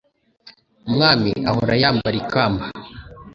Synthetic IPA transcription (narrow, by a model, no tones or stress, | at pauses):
umŋaːmḭa̰hoɾajaːmbaɾikaːmba